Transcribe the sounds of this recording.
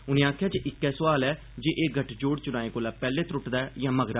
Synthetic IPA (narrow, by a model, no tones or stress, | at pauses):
ʊnẽːãːkʰɪjaːt͡ʃʔɪkːɛːsəʋaːlɛː | d͡ʒeːʔeːɡʱəʈʰd͡ʒoːɽt͡ʃʊnãːẽːkoːlaːpɛːleːt̪ɾʊʈd̪aːjãːməɡɾaː